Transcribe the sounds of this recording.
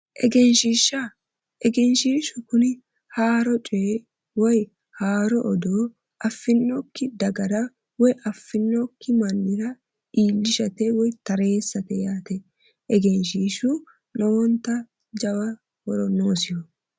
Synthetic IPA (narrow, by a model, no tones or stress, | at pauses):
ʔɛɡɛnʃiːʃːɐ | ʔɛɡɛnʃiːʃʊkʊnɪ | haːɾɔt͡ʃʼeː | wɔj | haːɾɔʔːd̪oː | ʔɐfːɪnːɔkːɪd̪ɐɡɐɾɐ | wɔjʔɐfːɪnːɔkːɪmɐnːɪɾɐ | ʔiːlːɪʃɐt̪ɛwɔjt̪ɐɾe̞ːsːɐt̪ɛjaːt̪ɛ | ʔɛɡɛnʃiːʃʊ | nɔwɔnt̪ːɐ | d͡ʒɐwɐ | wɔɾɔnːoːsɪjɔ